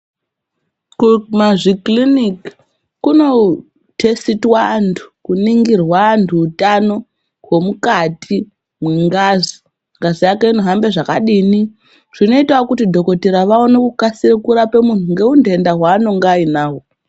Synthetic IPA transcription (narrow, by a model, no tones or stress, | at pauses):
kumaʐiklinik | kuno̞ | tʰe̞sitwaːntʰu̥kuniŋɡirwaːntʰuːtano̞ | ɦwo̞mukatʰi | mwiŋɡazi | ŋɡazijakeinoɦambe̞ʐakaɗiːni | ʐ̥ino̞itawakutidʱo̞ko̞tiɾaʋaonekukasiɾikuɾape̞muntuŋɡe̞unde̞ndaɦwaːno̞ŋɡːinaːɦo